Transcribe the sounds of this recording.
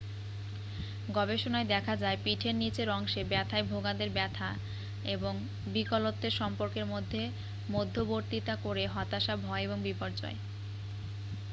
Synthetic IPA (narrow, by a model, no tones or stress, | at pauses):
ɡɔbeʃonaed̪ɛkʰad͡ʑaepiʈʰenːit͡ɕeɾɔŋʃebɛt̪ʰaebʱoɡad̪eɾbɛt̪ʰa | eboŋ | bikolot̪ːeɾʃɔmpoɾkeɾmod̪ʱːe | mod̪ʱːoboɾt̪it̪akoɾeɦɔt̪aʃabʱɔeeboŋbipoɾd͡ʑɔ̰e